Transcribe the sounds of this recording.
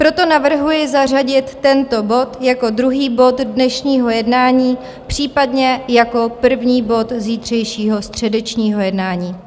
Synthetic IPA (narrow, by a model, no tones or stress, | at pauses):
pɾo̞t̪o̞navr̩ɦujɪzar̝aɟɪt̪ːɛnt̪o̞bo̞t̪jako̞d̪ɾuɦiːbo̞t̪dnɛʃɲiːɦo̞jɛdnaːɲiː | pr̝̥iːpadɲɛjako̞pr̩vɲiːbo̞t̪ziːt̪r̝̥ɛjʃiːɦo̞st̪r̝̥ɛdɛt͡ʃɲiːɦo̞jɛdnaːɲiː